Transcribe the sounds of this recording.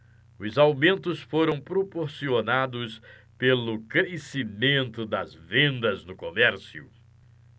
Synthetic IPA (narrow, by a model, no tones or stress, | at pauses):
ʊzawmẽnt̪ʊsfoɾɐ̃w̃pɾopoɾsionad̪ʊs | pelʊkɾesimẽnt̪ʊd̪ɐzvẽnd̪ɐznʊkomɛɾsiʊ̰